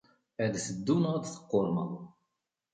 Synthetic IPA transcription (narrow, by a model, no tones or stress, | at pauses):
æd̪θəd̪ːunəʁd̪θə̥qːoɾˤmə̰w